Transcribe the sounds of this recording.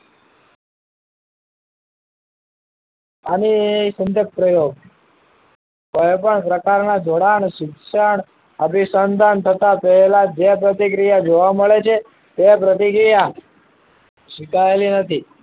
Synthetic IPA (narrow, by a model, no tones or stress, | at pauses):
anisənd̪ʱjək̚pɾəjoɡ̚ | kojpəɳpɾəkaɾnad͡ʒʱoɽaɳʃikʃəɳ | əbisənd̪ʱant̪ʰət̪apəɦelad͡ʒepɾət̪ikɾijad͡ʒoʋaməɭet͡ʃʰe | t̪epɾət̪ikɾija | ʃikaelinət̪ʰi